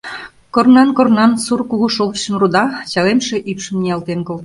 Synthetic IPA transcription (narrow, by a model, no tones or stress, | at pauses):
kornɑnkornɑnsurkuɣuʃoβɕəmrud̪ɑɕɑlemʃeʔypʃə̆mnijɑlt̪enkolt̪